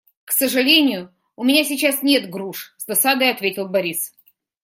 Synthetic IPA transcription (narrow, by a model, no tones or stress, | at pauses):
ksəʐɨlʲenʲɪjʊ | ʊmʲɪnʲasʲɪt͡ɕasnʲe̞t̪ɡɾuʂsd̪ɐsad̪əjɐt̪vʲetʲɪlˠbɐɾʲis